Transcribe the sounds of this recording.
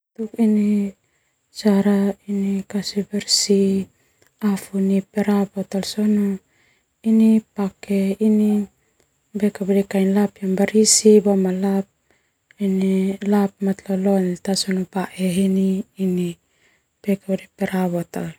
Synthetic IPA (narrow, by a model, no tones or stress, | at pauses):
t̪ukini | saɾainikasibeɾsi | afunipeɾabot̪alsonu | inipakeini | bekabadikajnlapjambaɾisibomalap̚ | inilap̚mat̪lolont̪asonupaʔeɦiniːni | b̥ekabadipeɾaβot̪al